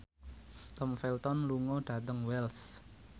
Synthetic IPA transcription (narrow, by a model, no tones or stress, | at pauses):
t̪ɔmfɛlt̪ɔnluŋɔɖ̥ä̤t̪əŋwɛls